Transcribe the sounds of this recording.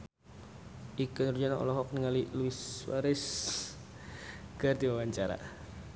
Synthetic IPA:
ʔikənrd͡ʒanaɔ̰lɔɦɔk̚niŋaliluiswa̰ɾɪs | ɡ̥ard̪iwawaɲt͡ʃaɾa̰

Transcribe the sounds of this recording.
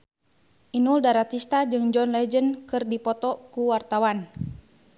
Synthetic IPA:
ʔinuldaɾat̪ist̪ad͡ʒɨŋd͡ʒɔnlɛd͡ʒənkɨrdipɔt̪ɔkuwart̪awan

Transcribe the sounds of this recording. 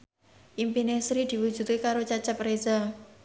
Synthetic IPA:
ʔimpinesɾid̪̥i̤wu̥d͡ʒut̪ekaɾot͡ʃat͡ʃapreza

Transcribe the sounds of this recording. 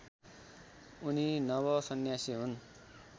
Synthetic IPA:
uninʌβʌsʌnjasiɦun

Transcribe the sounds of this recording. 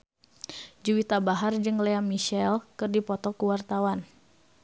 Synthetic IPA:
d͡ʒuwit̪abaɦard͡ʒɨŋlɛamiʃɛlkɨrdipɔt̪ɔkuwart̪awan

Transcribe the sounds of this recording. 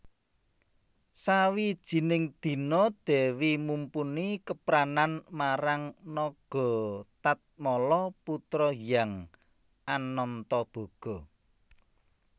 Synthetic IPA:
sawid̥ʒ̥i̤nɪŋd̪̥i̤nɔd̪̥ɛ̤wimumpunikəpɾananmaɾaŋnɔɡ̥ɔ̤t̪at̪̚mɔlɔput̪ɾɔjaŋ | ʔanːɔnt̪ɔb̥ɔ̤ɡ̥ɔ̤

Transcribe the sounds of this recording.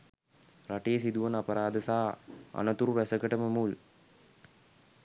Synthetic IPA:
ɾɐʈeːs̬id̪uʋɐnɐpɐɾaːd̪ɐsaːɐ̰nɐt̪uɾuɾɐsɐkːɐʈɐmɐmuːl

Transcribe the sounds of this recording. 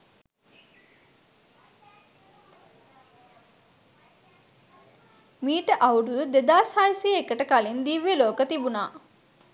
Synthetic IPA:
miːʈəʔawuɖud̪ed̪aːsaːjsiekəʈəkalind̪iʋeloːkət̪ibunaː

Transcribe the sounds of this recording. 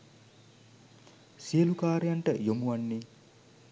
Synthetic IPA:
sijəlukaːɾejaɳʈəjomuʋanːe

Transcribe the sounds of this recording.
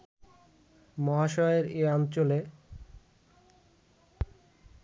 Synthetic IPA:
mɔɦaʃɔeɾeɔnt͡ɕole

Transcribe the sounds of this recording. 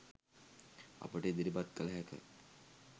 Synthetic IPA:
a̰pəʈəid̪iɾibat̪̚kələɦɛkə̰

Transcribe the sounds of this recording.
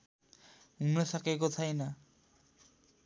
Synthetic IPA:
umlesakekot̪ʰajna

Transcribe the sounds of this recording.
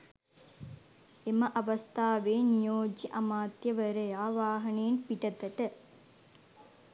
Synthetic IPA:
emɐʔɐʋɐst̪ʰaːʋeːnijoːd͡ʒiʔɐmaːt̪jəʋəɾəjaːʋaːɦɐneːnpiʈɐt̪ɐʈə

